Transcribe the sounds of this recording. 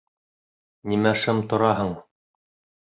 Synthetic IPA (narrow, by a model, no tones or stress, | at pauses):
nimæʃɘmt̪ŏɾɑɦɤɴ